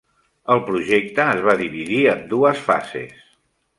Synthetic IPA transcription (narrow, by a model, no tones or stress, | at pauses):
əlˠpɾuʒek̚t̪əːzβaðiβiðiəmd̪uəsfa̰zḛs